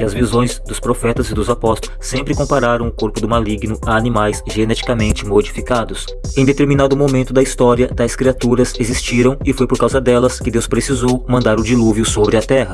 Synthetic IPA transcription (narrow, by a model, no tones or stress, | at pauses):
ɪɐzvizõj̃zd̪ʊspɾofɛt̪ɐzɪd̪ʊzapɔst̪ | sːẽmpɾɪkõmpaɾaɾɐ̃w̃ʊkoɾpʊd̪ʊmaliɡnʊaːnĩmajsʒenɛt͡ʃi̥kamẽnt͡ʃɪmod͡ʒifikad̪ʊs | ẽj̃d̪et̪eɾminad̪ʊmomẽnt̪ʊd̪ɐist̪ɔɾiɐd̪ɐskɾiat̪uɾɐzezist͡ʃiɾɐ̃w̃ɪfojpoɾkawzɐd̪ɛlɐskɪd̪ewspɾesizowmɐ̃nd̪aɾʊd͡ʒiluvjʊsobɾɪɐt̪ɛɦɐ